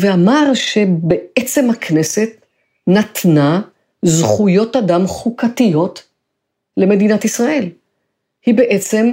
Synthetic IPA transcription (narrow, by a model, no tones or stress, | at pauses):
veamaʁʃe̞beet͡se̞mhakne̞se̞t | nat̪na | zχujo̞tadamχukat̪ijo̞t | le̞me̞dinat̪isʁaʔe̞l | hibe̞ʔet͡se̞m